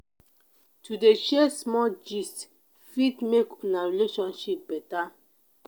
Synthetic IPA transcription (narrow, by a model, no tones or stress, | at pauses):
tʰudeʃɛsmɔld͡ʒist | fitmekɔ̃naɹileʃɔ̃nʃip̚bɛta